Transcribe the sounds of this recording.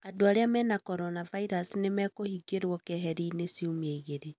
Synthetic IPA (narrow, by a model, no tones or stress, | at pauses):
adoaɾeamɛnakɔɾɔnavaiɾasnemɛkohiɡeɾwɔkɛɦɛɾiːnesiumieiɣeɾe